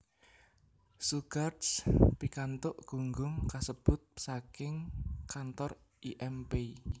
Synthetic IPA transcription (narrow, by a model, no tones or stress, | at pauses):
suɡartspikant̪ʊʔɡ̥uŋɡʊŋkasəb̥ʊt̪̚sakɪŋkant̪ɔr | iʔɛmpei